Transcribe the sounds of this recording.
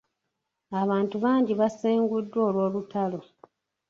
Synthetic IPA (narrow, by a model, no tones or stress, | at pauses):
aβaːntuβaːɲɟiβaseːŋɡudːwo̞ːlwo̞ːlutalo̞